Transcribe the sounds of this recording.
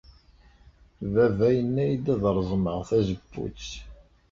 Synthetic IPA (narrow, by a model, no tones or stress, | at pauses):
vævæjənːæjd̪æðɾˤzˤməʁθæzəbːṵ